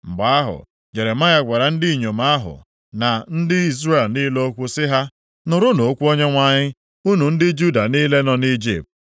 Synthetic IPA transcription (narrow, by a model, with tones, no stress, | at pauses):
m̩˨ɡ͡ba˨a˦ɦʊ̰˨ | ɲe˨ɾe˨ma˦ɲa˦ɡʷa˨ɾa˨n̩˦di˦i˨ɲo˨ma˦ɦʊ̰˨ | na˨n̩˦dɪ˦i˦zre˦˨lniː˦lo˦o˦kʷu˦sɪ˦ɦa˦ | nʊ˨ɾʊ˦no˨o˦kʷu˦o˦ɲe˦ŋʷa˦ɲɪ˦ | u˦nu˨n̩˦dɪ˦d͡ʒu˦da˨niː˦le˦nɔ˦ni˦d͡ʒḭ˨p̚t̚